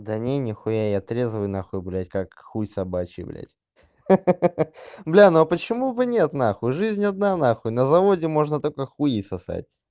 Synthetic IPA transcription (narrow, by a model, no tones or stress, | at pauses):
d̪ɐnʲenʲɪxʊjajɐt̪ɾʲezvʊjnaxʊjblʲæt̚ʲkakxusɐbat͡ɕɪ̰blʲæ̰tʲ | blʲanopət͡ɕɪmubɨnʲet̪naxʊjʐɨzʲnʲɐd̪̚nanaxʊjnəzɐvodʲɪmo̞ʐnət̪olʲkəxʊjisɐsa̰t̚ʲ